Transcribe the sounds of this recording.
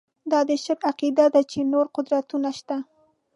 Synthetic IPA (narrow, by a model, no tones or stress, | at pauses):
d̪ɑd̪əʃəɾaqid̪ad̪at͡ʃenoɾqʊd̪ɾat̪unaʃt̪a